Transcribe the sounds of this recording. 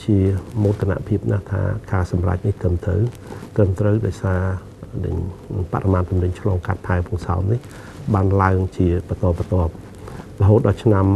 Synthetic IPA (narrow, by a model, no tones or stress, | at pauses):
t͡ɕiəmoːt̪kʰana̰ʔpʰiəp̚na̰ht̪ʰa̰ːkaːsɑmra̰c̚niht̪rəmt̪rə̰wt̪rəmt̪rəwɗaɔjsaː | nɨ̰ɲpa̰ʔremaːnt̪umnɨɲt͡ɕʰlɑːŋkat̪̚pʰaɛŋpʰuəŋsa̰ɔmnih | ɓaːnlaəŋt͡ɕiəpət̪ŏəpːət̪ŏəp̚ | ləɦoːt̪̚ɗɑlt͡ɕʰnam